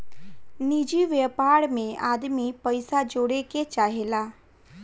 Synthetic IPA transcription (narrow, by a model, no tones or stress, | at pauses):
niːd͡ʒiʋjepaːɾmẽaːd̪mipəɪsad͡ʒoːɽeket͡ʃaːɦelaː